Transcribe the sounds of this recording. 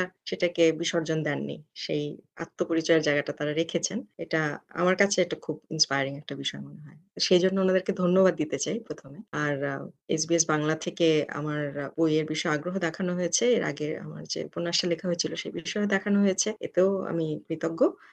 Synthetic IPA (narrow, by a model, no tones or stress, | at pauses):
aʃeʈakebiʃɔɾd͡ʑond̪ɛnːḭʃeja̰t̪ːopoɾit͡ɕɔeɾd͡ʑaeɡaʈat̪aɾaɾekʰet͡ɕʰeneʈaa̰maɾkat͡ɕʰeɛk̚ʈakʰubinspajaɾiŋɛk̚ʈabiʃɔemoneɦɔeʃejd͡ʑonːoonad̪eɾked̪ʱonːobad̪̚ːit̪et͡ɕajpɾot̪ʰomeaɾḛs̬bies̬baŋlat̪ʰekea̰maɾbojeɾbiʃɔeaɡɾoɦod̪ɛkʰanoɦojet͡ɕʰeeɾʔa̰ɡea̰ma̰ɾd͡ʑḛponːaʃʈalekʰaɦoet͡ɕʰiloʃejbiʃɔed̪ɛkʰanoɦojet͡ɕʰeḛt̪eoa̰mipɾit̪oɡːo